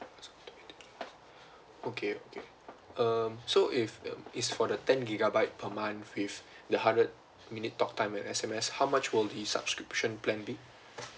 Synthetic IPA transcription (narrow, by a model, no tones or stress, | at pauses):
ɛsɡɔtut | okʰeokʰe | ʌmsoʔifitsfɔdətɛ̃nɡiɡabaɪt̚pʰəmãnwif | dəhãndɹəd̚ | minitːɔk̚tãɪmɛfɛsɛ̃mɛshawmat͡ʃwildisa̰b̥skɹipʃə̃nplɛ̃nbi